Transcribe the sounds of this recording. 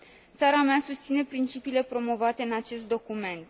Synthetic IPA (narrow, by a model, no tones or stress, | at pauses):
t̪saɾameasust̪sine̞pɾint͡ʃipiːle̞pɾo̞mo̞vat̪e̞ɨnat͡ʃe̞st̪̚d̪o̞kume̞nt̪